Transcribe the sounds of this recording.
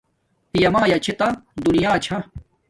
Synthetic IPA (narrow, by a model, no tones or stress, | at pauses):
pijɐmaːjɐt͡ɕʰet̪ɐd̪unijaːt͡ɕʰɐ